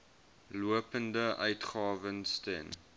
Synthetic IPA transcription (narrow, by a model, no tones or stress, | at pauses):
luəpəndəʔœɥtχɑːvənstɛ̰n